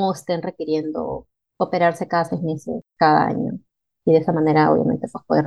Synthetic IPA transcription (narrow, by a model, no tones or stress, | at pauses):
oest̪enre̞kiɾje̞nd̪o̞̰ | ope̞ɾaɾse̞kaðasejzme̞sḛskaða̰a̰ɲo̞̰ | iðeesamãne̞ɾaoβj̰a̰mẽ̞̰nt̪epwespoðe